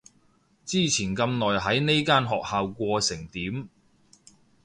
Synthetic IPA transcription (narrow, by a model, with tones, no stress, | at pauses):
t͡siː˥˩t͡sʰiː˨˩nkɐ˧mnɔː˨˩jɦɐ˨˥jne˥jkaː˥nɦɔː˨k̚haː˨wkʷɔː˧sɪ˨˩ŋt̪iː˨˥m